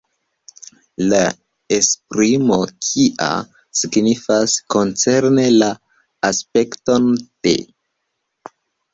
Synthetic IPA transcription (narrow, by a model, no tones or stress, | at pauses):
la | espɾimo̞kʰiʔa̰ | siɡnifasko̞nt͡se̞ɾne̞laː | spe̞kto̞nd̥ḛ